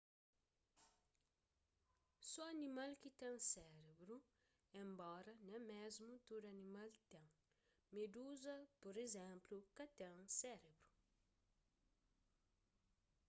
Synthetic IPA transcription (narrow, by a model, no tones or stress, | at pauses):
soɐnimalkit̪ɛ̃ŋsɛɾebɾu | ẽmbɔɾɐnɛ̃mezmut̪odɐnimalt̪ẽŋ | med̪uzɐpoɾezɛ̃mplukɐt̪ẽŋsɛɾebɾu